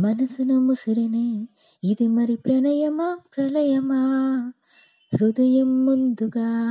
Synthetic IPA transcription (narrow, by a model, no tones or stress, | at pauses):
mɐnɐsɯnɐmʊsɪɾɐnɐ | ɪðɯmɐɾipɾɐnɐjɐmaːpɾɐlɐjɐmaː | ɾʊðɐjɐmːʊnd̪uɣaː